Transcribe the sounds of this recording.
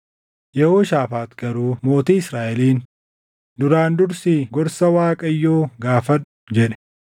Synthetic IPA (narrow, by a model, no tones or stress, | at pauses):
jɛhoːʃaːfaːt̪ɡ̥ɐɾuːmo̞ːt̪iːɪsɾaːʔɛliːn | d̪ʊɾaːnd̪ʊɾsɪɡɔɾsɐwaːkʼɐjːoːɡaːfɐnʊ̥d͡ʒɛᶑɛ̥